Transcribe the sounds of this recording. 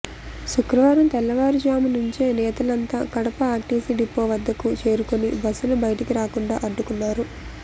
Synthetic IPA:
ʃukɾɐʋaːɾɐmt̪ɛlːɐʋaːɾud͡ʒaːmunuɲt͡ʃe̞ːnɛːt̪ɐlɐnt̪a̰ːkɐɽɐpɐaːʈːiːsiɖipːoːʋɐd̪ːɐkut͡ʃe̞ːɾukonibɐsːulubɐjɐʈikiɾaːkuɳɖa̰ːʔɐɖːukunːaːɾu

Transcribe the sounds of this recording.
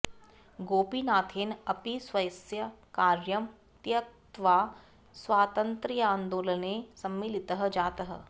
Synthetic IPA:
ɡoːpinaːt̪ʰeːnɐpisʋɐjsjɐkaːɾjəm | t̪jɐk̚t̪ʋaː | sʋaːt̪ə̃nt̪ɾijãːnd̪oːlənesɐmːilɪt̪əɦə̆d͡ʒaːt̪əɦə̰

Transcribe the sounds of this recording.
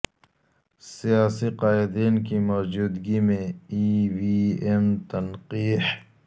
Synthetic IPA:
sijaːsiqaːɪd̪iːnkimɔːd͡ʒuːd̪ɡimẽiwiemt̪ɐnqiːh

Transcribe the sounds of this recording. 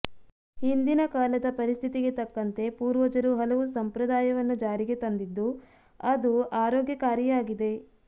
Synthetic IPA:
hind̪inɐkaːlɐd̪ɐpɐɾist̪ʰit̪iɡe̞t̪ɐkːɐnt̪e̞puːɾʋɐd͡ʒɐɾuɦɐlɐʋusɐmpɾɐd̪aːjɐʋɐnːud͡ʒaːɾiɡe̞t̪ɐnd̪id̪ːu | ɐd̪uaːɾɔːɡjɐkaːɾjijaːɡid̪e̞

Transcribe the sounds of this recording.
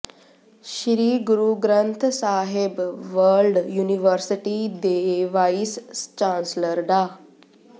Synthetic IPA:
ɕɾiːɡuɾuɡɾənt̪ʰsaɦebʋəɾlɖjuniʋəɾsiʈid̪eʋaisst͡ɕãnsləɾɖa

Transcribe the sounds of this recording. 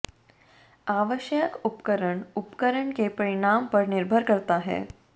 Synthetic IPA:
aʋəɕjəkupkəɾəɳupkəɾəɳkepəɾiɳampəɾniɾbʱəɾkəɾt̪aɦḛ

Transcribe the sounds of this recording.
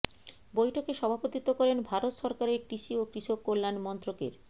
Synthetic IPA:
bojʈʰokeʃɔbʱapot̪it̪okɔɾenbʱaɾot̪ʃɔɾkaɾeɾkɾiʃiokɾiʃokːolːanmɔnt̪ɾokḛɾ

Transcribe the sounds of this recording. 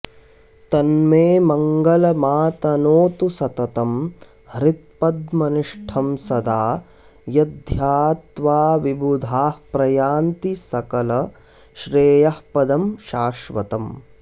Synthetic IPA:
t̪ɐnmeːmɐŋɡɐlɐmaːt̪ɐnoːt̪usɐt̪ɐt̪ɐm | hɾit̪̚pɐd̪mɐniʂʈʰɐmsɐd̪aː | jɐd̪ʱjaːt̪ʋaːʋibud̪ʱaːhpɾɐjaːnt̪isɐkɐlɐ | ʃɾeːjɐhpɐd̪ɐmʃaːʃʋɐ̰t̪ɐm

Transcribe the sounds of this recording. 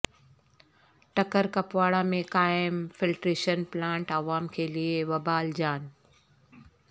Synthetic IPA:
ʈɐkəɾkɐpʋaːɽamẽkaːɪɪmfɪlʈɾeːʃənplãːɳʈaːʋaːmkʰeːlieʋɐbaːld͡ʑaːn

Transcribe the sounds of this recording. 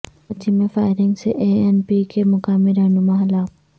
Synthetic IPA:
ɐt͡ʃimẽfaːɪɾɪ̃ŋɡseʔeɛnpikemʊkaːmiɾɐɦnʊmaɦɐlaːk̚

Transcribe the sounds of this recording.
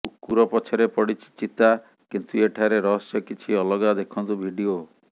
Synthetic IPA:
ukːuɾɔpɔt͡ʃʰɔɾepɔɽit͡ʃʰi̥t͡ʃit̪a | kint̪ueʈʰaɾeɾɔɦɔsjɔkit͡ʃʰiɔlɔɡad̪ekʰɔnt̪ubʱiɖio

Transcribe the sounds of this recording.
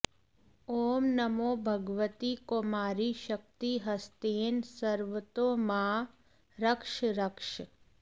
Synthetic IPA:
oːmnəmobʱəɡʋət̪ikomaɾiʃək̚t̪iɦəst̪eːnsəɾʋət̪omã | ɾəkʃɾəkʃ

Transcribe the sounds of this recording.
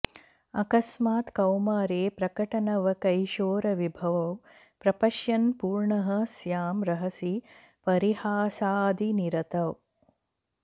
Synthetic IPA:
ɐkɐsmaːt̪kɐwmaːɾeːpɾɐkɐʈɐnɐʋɐkɐjʃoːɾɐʋibʱɐʋɐw | pɾɐpɐʃjɐnpuːɾɳɐɦɐsjaːmɾɐɦɐsi | pɐɾihaːsaːd̪iniɾɐt̪ɐw

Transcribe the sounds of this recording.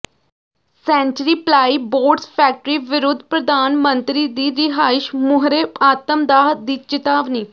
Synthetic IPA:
sɛ̃ːɲt͡ʃəɾiːplaːiboːɾɖsfʰɛːk̚ʈəɾiːʋɪɾʊd̪ʱːpɾəd̪aːnmənt̪ɾid̪iːɾɪɦaːɪʃmʊɦɾeaːt̪əmd̪aːɦd̪iːt͡ʃɪt̪aːʋniː

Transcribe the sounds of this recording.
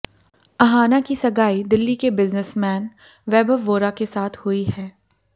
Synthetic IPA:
ɐɦaːnakisɐɡaːid̪ɪlːikebɪznəsmɛ̃ːn | ʋɛːbəʋoːɾakesaːt̪ʰhʊihɛː

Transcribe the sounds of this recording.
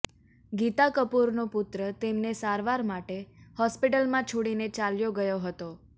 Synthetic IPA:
ɡit̪akəpuɾnopʊt̪ɾət̪emnesaɾʋaɾmaʈehɔspiʈəlmãt͡ʃʰoɽinet͡ʃaljoɡəjoɦət̪o

